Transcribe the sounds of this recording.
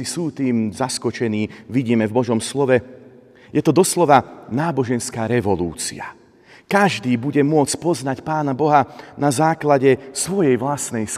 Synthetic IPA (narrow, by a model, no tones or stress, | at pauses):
isuːt̪iːmzaskɔt͡ʃɛniːʋiɟiːmɛvbɔʒɔmslɔʋɛ | jɛt̪ɔd̪ɔslɔʋanaːbɔʒɛnskaːɾɛʋɔlṵːt͡sḭa | kaʒd̪iːbuɟɛmʊɔt͡scpɔznacpaːnabɔɦanazaːklaɟɛsʋɔjɛjʋlasnɛjs